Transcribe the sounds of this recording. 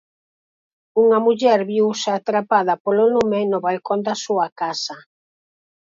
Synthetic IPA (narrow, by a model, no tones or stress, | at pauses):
uŋɐmuʎɛɾβiwseat̪ɾapaðɐpolonumenʊβajkond̪ɐsuɐkasɐ